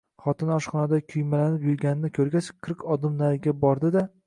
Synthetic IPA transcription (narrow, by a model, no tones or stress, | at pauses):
χɒt̪ʰɪnɒʃχɒnad̪akʲʰʊjmalanɪpjʊɾɡʲanɪnɪkʲʰɵɾɡʲat͡ʃqʰɨɾqɒd̪ɪmnaɾɪɡʲabɒɾd̪ɪd̪a